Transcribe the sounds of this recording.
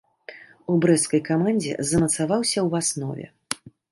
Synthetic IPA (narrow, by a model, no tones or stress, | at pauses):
ubɾɛt̪skɐjkamanʲd͡zʲɛ̰zɐmɐt̪savawsʲɐwasnɔ̰vʲɛ̰